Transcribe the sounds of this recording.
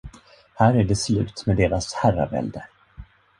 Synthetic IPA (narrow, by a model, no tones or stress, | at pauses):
hæːɾæɖɛslʉ̟ːt̪med̪eːɾashæra̰vɛ̰ld̪ə